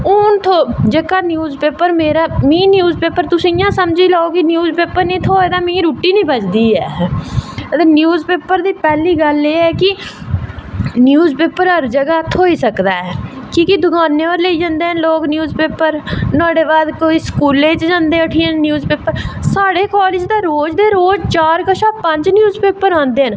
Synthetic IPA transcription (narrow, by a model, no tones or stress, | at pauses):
ʊnt̪ʰoːd͡ʒeːkaːnjuːzpeːpəɾmeːɾaːmĩːnjuːzpeːpəɾt̪ʊsĩɪjãːsəmd͡ʒiːlaːoːkɪnjuːzpeːpəɾnĩːt̪ʰoːeːd̪aːmĩːɾuːʈiːnĩːbət͡ʃd̪iːɦɛ̰ː | t̪ənjuːzpeːpəɾd̪iːpɛːliːɡəleːɛːkɪ | njuːzpeːpəɾəɾd͡ʒəɡaːt̪ʰːoːiːsəkd̪aːɛː | kiːkɪd̪ʊkaːnːeːəɾləiːd͡ʒãːnd̪eːɦənloːknjuːzpeːpəɾnaːɽeːbaːd̪koːiːskuːleːt͡ʃd͡ʒãːnd̪eːəʈʰiːənnjuːzpeːpəɾsaːɽeːkɔːlɪd͡ʒd̪aːɾoːd͡ʒd̪eːɾoːd͡ʒt͡ʃaːɾkəʃaːpəɲd͡ʒnjuːzpeːpəɾãːnd̪eːɦən